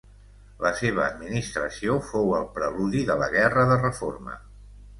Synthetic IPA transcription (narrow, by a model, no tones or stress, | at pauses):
ləseβ̞əːd̪minist̪ɾəsiofowəlˠpɾəluðiðələɣɛrəðərəformə̰